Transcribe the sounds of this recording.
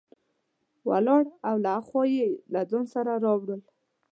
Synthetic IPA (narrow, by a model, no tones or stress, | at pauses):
wa̰lɑɽawlaxɔjelad̪onsaɾaɾɑbɽəl